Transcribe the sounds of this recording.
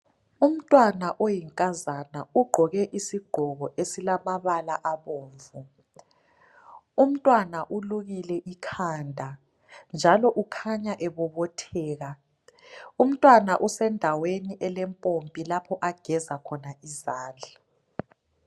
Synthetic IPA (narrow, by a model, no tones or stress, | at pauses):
um̩tʼwanaʔojiŋkʼazanauɡ͡ǃʱɔɣɛʔisiɡ͡ǃʱɔɣɔʔesilamaβalaʔaβoːɱvu | um̩tʼwanaʔuluɣilɛʔikʰaːndʱa | nd͡ʒʱalɔʔukʰaɲaʔɛβɔβɔtʰɛːɣa | um̩tʼwanaʔusɛndʱaweniʔɛlɛmpʼompʼilapʰɔʔaɡ̥ʱɛzakʰɔnaizaːnd͡ɮʱa